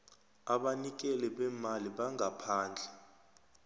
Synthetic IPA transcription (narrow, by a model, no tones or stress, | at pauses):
aɓanik̬ɛlɛɓɛmaliɓaŋʱapʰaːnd͡ɮʱɛ